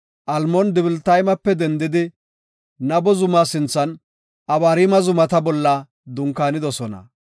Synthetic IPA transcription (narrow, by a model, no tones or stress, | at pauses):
ʔɐlmɔnd̪ɪbɪlt̪ɐjmɐpːɛd̪ɛnd̪ɪd̪ɪ | nɐbɔzʊmasɪnt͡sːɐn | ʔɐbaːɾiːmɐzʊmɐt̪ɐbɔlːɐ | d̪ʊŋkːaːnɪd̪ɔsɔnɐ̰